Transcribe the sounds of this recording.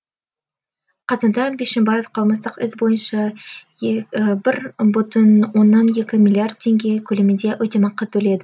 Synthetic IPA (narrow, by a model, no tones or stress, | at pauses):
qʰɑzɑnd̪ɑbeʃembaje̞fqʰɑlˠməst̪əqɪsbo̞jənʃɑ | bɪɾbʊt̪ənwo̞nːɑnje̞kʲɪmʲilʲˠiard̪̚t̪ʰːe̞ŋɡʲe̞kʲʰɵlemɪnd̪e̞wʔɵt̪e̞mɑqːət̪ʰːɵle̞d̪ɪ